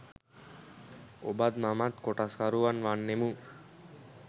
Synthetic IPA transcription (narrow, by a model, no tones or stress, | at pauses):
obad̪mamat̪koʈaskaɾuʋanʋanːemu